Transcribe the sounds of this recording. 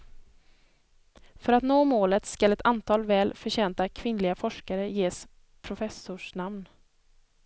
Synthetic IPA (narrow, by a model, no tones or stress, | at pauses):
fœɾat̪noːmoːlət̪skalɛt̪ʰant̪ʰɑːlvɛːlfœɕɛːnt̪akʰvɪnlɪɡafɔʂkaɾəjeːs | pʰɾʊfɛsʊʂnamn